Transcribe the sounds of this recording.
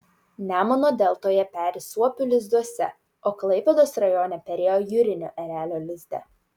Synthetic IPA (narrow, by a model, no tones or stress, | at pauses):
nʲæːmonoːd̪ʲɛlˠt̪oːjɛpʲæːɾʲɪsuɔpʲʊlʲɪzd̪uɔsʲɛ | oːklˠɐɪpʲɛd̪oːsɾɐjɔːnʲɛpʲɛɾʲeːjoːjʊɾʲɪnʲo̰ːʔɛɾʲæːlʲoːlʲɪzʲd̪ʲɛ̰